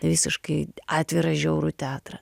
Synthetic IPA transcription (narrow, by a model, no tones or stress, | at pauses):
ʋʲiːsʲɪʃkɐɪɑːt̪ʲʋʲɪɾɐʒʲɛʊɾut̪ʲæːt̪ɾɐ